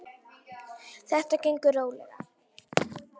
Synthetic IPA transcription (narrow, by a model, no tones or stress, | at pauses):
θɛht̪acejŋkʏroːwlɛɣa̰